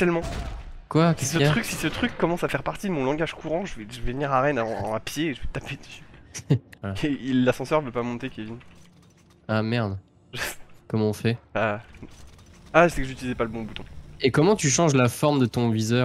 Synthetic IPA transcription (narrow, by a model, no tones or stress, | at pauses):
t̪ɛlmɑ̃ | kwaksətχyksisət̪χykːɔmɑ̃safɛʁpaʁt̪id̪əmɔ̃lɑ̃ɡaʒkuʁɑ̃ʒəvɛʒəvɛvəniʁaʁɛnãapjeːʒəvɛt̪aped̪əsy | alaelasɑ̃sœʁvəpamɔ̃t̪ekʲevin | amɛʁd̪ | ʒəskɔmɑ̃ɔ̃fɛa | aʒəsɛkəʒyt̪ilizɛpaləbɔ̃but̪ɔ̃ekɔmɑ̃t̪yʃɑ̃ʒlafɔʁmd̪ət̪ɔ̃vizœː